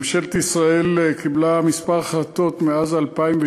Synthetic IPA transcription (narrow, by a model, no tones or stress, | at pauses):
mʃelet̪isʁaelkʰiblamispaʁχat̪o̞t̪meazalpaimve